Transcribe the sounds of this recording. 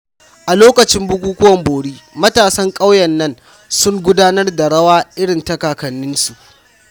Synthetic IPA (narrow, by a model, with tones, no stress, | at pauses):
ʔa˨loː˦kɐ˨t͡ʃɪ˦mbʊ˦kʷuː˦kʷʊ˦wɐ˨mboː˨ɽiː˦mɐ˦taː˨sɐ˦ŋkʼa˦wjɐ˨nːɐ˦n | sʊ˦ŋɡʷʊ˦daː˦nɐ˦rda˨ɽɐ˦waː˦ʔɪ˦ɽɪ˨ntɐ˦kaː˨kɐ˨nːɪ˦nsu˨ʔ